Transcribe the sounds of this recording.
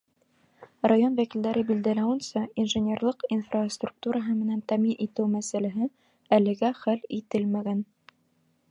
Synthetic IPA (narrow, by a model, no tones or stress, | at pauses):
rajonvækild̪æɾɘbild̪ælæwɘ̆nsɑinʒɘ̆nʲerlˠɤqinfrast̪ruk̚t̪uɾɑɦɤmɘ̆nænt̪æminʔit̪ɘwmæsælæɦɘ | ælɘ̆ɡæχælit̪ɘlmæɡæn